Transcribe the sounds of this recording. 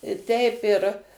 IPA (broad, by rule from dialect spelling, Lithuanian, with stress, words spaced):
ɪ ˈtʲɛɪp ɪr